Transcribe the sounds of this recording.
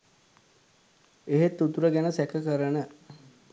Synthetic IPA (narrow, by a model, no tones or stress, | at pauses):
eɦet̪ːut̪uɾəɡænəsækəkəɾənə